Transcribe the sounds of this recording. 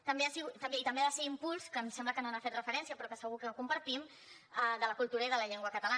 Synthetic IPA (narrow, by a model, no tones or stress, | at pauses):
t̪əmbeasiɣut̪əmbeit̪əmbeðəseimpulˠskənsɛmbləkənonafet̪rəfəɾɛnsiəpɾɔkəsəɣukəkumpəɾt̪im | əd̪ələkulˠt̪uɾəiðələʎeŋɡwəkət̪əla